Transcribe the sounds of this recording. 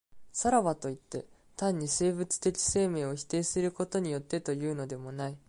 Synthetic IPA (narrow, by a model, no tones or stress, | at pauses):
saɾaβat̪o̞it̪ːe̞̰ | t̪ãɲ̟ːise̞ːbɯ̟t͡sɨ̥t̪e̞kʲi̥se̞ːme̞ːo̞çi̥t̪e̞ːsɨɾɯ̟ko̞t̪o̞ɲ̟ijo̞t̪ːe̞t̪o̞jɯ̟ːno̞d̪e̞mo̞nai